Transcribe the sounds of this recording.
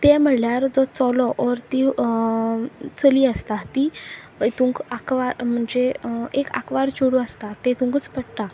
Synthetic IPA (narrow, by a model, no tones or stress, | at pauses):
t̪ɛm̤əɽljaɾd͡zɔt͡sɔlɔʔɔɾt̪i | t͡səliːəst̪at̪i | t̪ũŋkakʋaɾm̤əɳd͡zeeka̰kʋaɾt͡ɕuɽuəst̪at̪et̪ũŋkət͡spəɽʈ̪a